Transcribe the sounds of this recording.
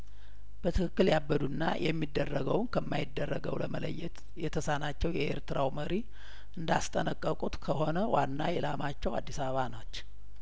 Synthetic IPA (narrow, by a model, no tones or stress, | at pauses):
b̥ət̪ʰɨkʰɨkːɨljabːəd̪unːa̰jʔɛmːid̪ːərːəɡəwnkʰəmːajɪd̪ːərːəɡəwləmələ̰jːɛt̪ | jɛt̪ʰəsanat͡ʃːɛwjɛʔḛɾt̪ʰɨɾawməɾi | ʔɨnd̪ast̪ʼənəkʼːəkʼut̪kʰəɦo̞nəwanːajɛlamat͡ʃːɛwa̰d̪ːisaβəβanot͡ʃː